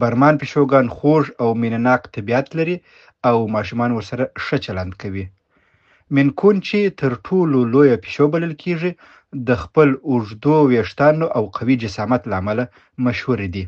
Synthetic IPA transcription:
baɾmɑnpeʃoɡɑnxoʐawminanɑqt̪abiat̪laɾi | awmɑʃumɑnwəɾsaɾaʂət͡ʃaland̪kawi | mɪnkʰunt͡ʃet̪əɾʈʰololojape̥ʃobaləlkʰeʐi | d̪əxpəlʊʐd̪oweʂt̪ɑnoʔawqʰawid͡ʒɪsɑmat̪laːmala | maʃhuɾed̪i

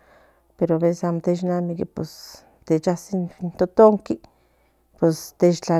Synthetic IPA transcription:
peɾoaβesesamot̪et͡ʃnamikipḛs | t̪et͡ʃasinnt̪ot̪oŋki | pest̪et͡ʃt͡ɬa

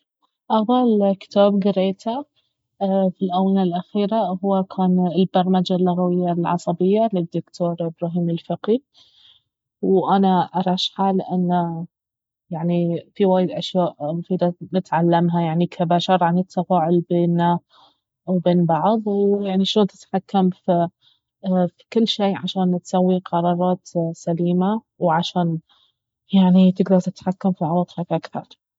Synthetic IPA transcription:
ʔɑɣðˤɑlkɪ̥t̪aːbɡɪɾeːt̪ʰa | filʔawnalʔaxiːɾahʊwːakʰaːnɪlbɑɾˤmad͡ʒalːʊɣawɪjːalʕɑ̰sˤɑbɪjːalɪd̪ːʊkt̪ʰoːɾˤʔɪbɾaːɦiːmɪlfaqi | wʔanaʔɑɾˤɑːʃħaːlʔanːa | jaʕnifiwaːjɪd̪ʔaʃjaːʔmʊfiːd̪anɪt̪ʕalːamɦajaʕnikʰabaːʃɑɾˤʕanɪt̪ʰːafaːʕʊlbeːnːa | wbeːnbɑʕðˤwjaʕniʃoːnt̪ɪ̥t̪ħakːamfi | fikɪlːʃeːʕaʃaːnt̪sawːiqʰɑɾˤɑːɾˤɑːt̪saliːma | wʕaʃaːn | jaʕnit̪ɪɡd̪ɑɾˤt̪ɪt̪ħakːamfiʕɑlɑt̪ˤakʔakθɑ̰ɾˤ

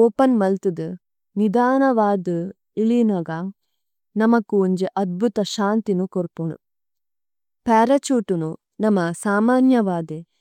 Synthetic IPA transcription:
oːpɐnmɐlt̪ud̪ɨ | nid̪aːnɐʋaːd̪ɨ | ilinɐɡaːŋ | nɐmɐkːuuɲd͡ʒeʔɐd̪̚bʱut̪ɐʃaːnt̪inukoɾpoːɳṵ | paːɾɐt͡ʃuːʈunu | nɐmɐsaːmaːnjɐʋaːd̪e

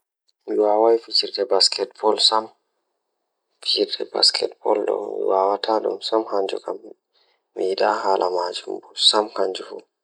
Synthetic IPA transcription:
miwaːwajfit͡ʃiɾɗɛbaskʰɛtbɔlsam | fit͡ʃiɾtɛba̰skʰɛtbɔlɗɔ̰mḭwaːwatʰaɗṵmsamhaɲd͡ʒṵkamː | iiɗaɦaːlʔamad͡ʒumbusamkaɲd͡ʒufu

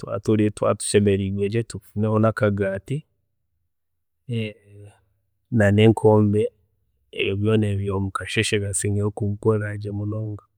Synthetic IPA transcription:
twa̰toɾetwa̰tu̥ʃɛmeɾiɡwed͡ʒetufunehonakaɡaːti | naneːŋkʰoːmbɛː | βjɔneβjomukaʃeʃeɡasiŋeokumukoɾad͡ʒemonoːŋɡa

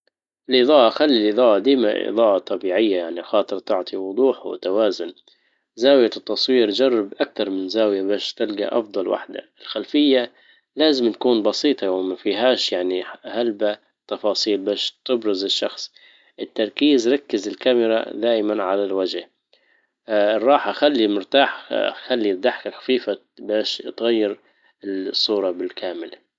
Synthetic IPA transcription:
ʔɪlʔɪðˤɑːʔɑxalːilʔɨd̪ˤɑːʔɑd̪iːma̰ʔʔɨ̰d̪ˤɑːʔɑt̪ˤɑbiːʕɪjːajaʕnixɑːt̪ˤɨɾt̪ɪʕt̪ˤiwʊd̪ˤuːħwɪ̰t̪awaːzʊn | zaːwjat̪ːɑsˤwiːɾd͡ʒɑrˤːɑbʔak̚t̪ɑɾˤmɪnzaːwjabaːʃt̪ɪlɡa̰ʔɑ̰fd̪ˤɑlwa̰ħd̪a̰ʔɪlxalfɪjːa | laːzɪmt̪ḁkuːnbɑsiːt̪ˤɑwɪmafiːɦaːʃjaʕnihalba | t̪ːɑfɑːsˤiːlbaːʃt̪ɪbɾɪzɪʃːɑxsˤ | ʔɪt̪ːɑɾˤkiːzɾˤɑkːɪzɪlkamɪɾˤa̰d̪aːʔɪmanʕalalwad͡ʒh | ɪrˤːɑːħaxalːimʊɾt̪aːħxalːid̪aħkaxḁfiːfa | baːʃt̪ɣajːɪɾ | ɪsˤːuːɾˤɑbɪlkʰaːmɪl

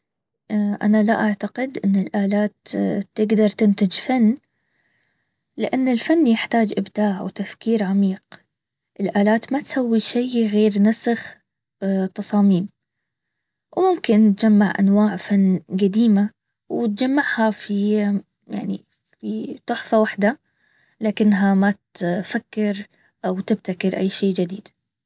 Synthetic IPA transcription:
ʔa̰nalaʔaʕt̪aqɪd̪ʔɪnːɪlʔaːlaːt̪ːɪɡd̪ɑɾˤt̪ɪnt̪ɪd͡ʒfanː | lɪʔanːɪlfanːjɪħt̪aːd͡ʒʔɪbd̪aːʕwt̪afkiːɾʕamiːq̚ | ʔɪlʔaːlaːt̪mat̪sawːiʃajɣeːɾnasɨx | t̪ɑsˤɑːmiːm | wmʊmkɪnːt̪̚d͡ʒamːaʕʔa̰nwaːʕfanːɡad̪iːma | wɪt̪̚d͡ʒamːaʕhafi | ja̰ʕni | fit̪ʊħsˤɑwaħd̪a | laːkɪnːɦamat̪fakːɪɾ | ʔawt̪ɪb̚t̪akɪɾʔa̰jːʃiːd͡ʒɪd̪iːd̪

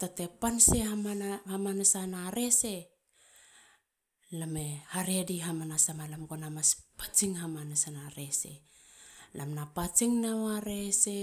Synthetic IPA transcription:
tatepansehamahamanasanaɾe̞se̞ | lamehaɾe̞diɦamanasamalamɡonamaspḁt͡ʃiŋhamanasanaɾe̞sḛ | lamnapat͡ʃiŋnawaɾese

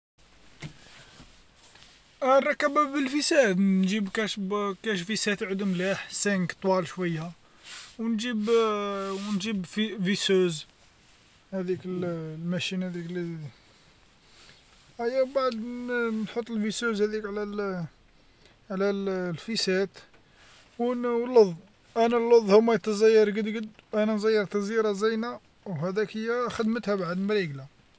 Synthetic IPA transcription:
rˤɑkːæbæbəlfəsæd̪nʒibkæʃbkæʃfisæt̪ʕəd̪umlæħsæŋkt̪ˤwɑlʃwəjːa | wnʒib | wnʒibfvisuz | hæd̪ikəllmæʃinhæd̪ikli | ʔæjːæbaʕd̪nħot̪ˤːəlvisuzhæd̪ikʕlæl | ʕlællfisæt̪ | wləðˤ | ʔænælːoðˤhʊmːæjt̪əzæjːɑɾˤɡəd̪ɡəd̪ʔænænzæjːɑɾˤt̪ɑzjiɾˤɑzæjnæ | whæd̪ækhəjːæxəd̪mət̪hæbaʕəd̪mɾiɡla

